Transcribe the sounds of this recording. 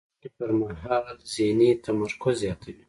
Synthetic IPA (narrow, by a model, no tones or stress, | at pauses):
kipəɾmaɦaːlzenit̪ɐmaɾkozjɑːt̪ʰɐwi